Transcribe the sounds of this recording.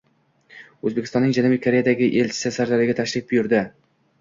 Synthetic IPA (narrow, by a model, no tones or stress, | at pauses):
ɵzbekʲɪ̥st̪ɒnːɪŋd͡ʒanubijkʰoɾe̞jad̪aɡʲɪʔe̞lʲt͡ʃʰɪ̥sɪsaɾlaɾɪɡʲat̪ʰaʃɾɪk̚bʊjʊɾd̪ɪ